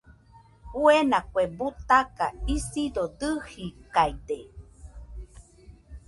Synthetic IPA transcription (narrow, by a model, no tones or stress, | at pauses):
uenakwebut̪akaisidod̪ɨhikajde